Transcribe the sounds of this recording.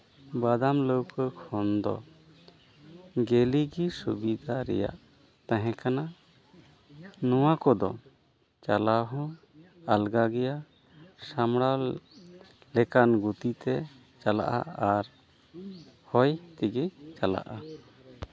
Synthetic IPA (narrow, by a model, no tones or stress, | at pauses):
bad̪amləwkəkʰɔnd̪ɔ̰ | ɡeliɡisubid̪ʱaɾɛ̰ja̰ʔ | t̪ãɦɛ̃kana | nɔwakɔd̪ɔ̰ | t͡ʃalaɦɔ̃ | alɡaɡɛja | samɽa | lɛkanɡut̪it̪ɛ | t͡ʃala̰ʔa̰aɾ | hɔjt̪iɡɛt͡ʃala̰ʔa